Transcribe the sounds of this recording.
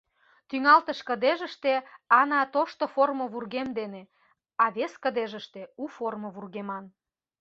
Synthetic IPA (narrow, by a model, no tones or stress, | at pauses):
t̪yŋɑlt̪əʃkə̆d̪eʒə̆ʃt̪eɑnɑt̪oʃt̪oformə̆βurɣemd̪ene | ɑβeskə̆d̪eʒəʃt̪euformə̆βurɣemɑn